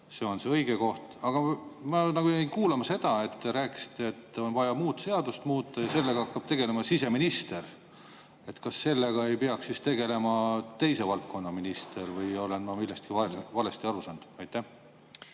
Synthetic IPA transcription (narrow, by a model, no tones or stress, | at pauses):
se̞o̞nseɤjɡ̥e̞ko̞ht̪ɑɡ̥ɑmɑnɑɡujeinkuːlɑmɑse̞d̪̥ɑe̞t̪ːeɾæːkːˑi̥si̥t̪ːˑeːt̪ːeo̞nvɑjɑmuːt̪se̞ɑd̪ust̪muːt̪ˑːɑjɑse̞lːeɡ̥ɑɑkːɑb̥t̪e̞ɡ̥e̞le̞mɑsise̞minist̪e̞ɾ | e̞t̪kɑsːe̞lːeɡ̥ɑe̞jpeɑksːist̪e̞ɡe̞le̞mɑt̪e̞jse̞vɑlt̪̚kʰo̞nːɑminist̪e̞ɾvɤjo̞le̞nmɑmilːest̪kiɑvɑle̞st̪iɑɾusɑnd̪̥ɑjt̪ːˑeh